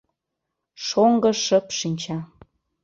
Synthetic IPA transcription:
ʃoŋɡɤ̆ʃəpʃinʲt͡ɕɑ

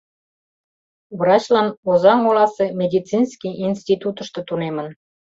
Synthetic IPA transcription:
βrɑt͡ɕlɑnozɑŋolɑsemʲed̪ʲit͡sinskʲijʔinʲst̪ʲit̪ut̪ə̆ʃt̪ɤ̆t̪unemə̆n

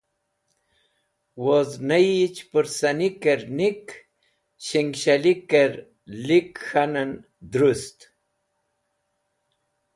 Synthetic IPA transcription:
woznajt͡ʃpɨɾsanikeɾnik | ɕiŋɡɕalikeɾ | likxanan | d̪ɾust̪

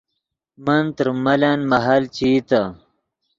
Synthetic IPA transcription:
mɐnt̪əɾmɐlanmɐɦalt͡ɕit̪a

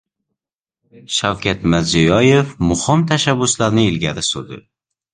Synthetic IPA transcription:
ʃawkʲʰat̪mɪɾzʊjɒjefmʊhɪmt̪ʰaʃabːʊslaɾnɪɪlɡʲaɾɪsod̪ɪ̰

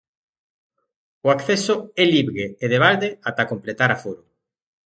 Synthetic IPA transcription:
ʊakθɛsʊɛliβɾeːðeβald̪eat̪akomplet̪aɾafuɾʊ

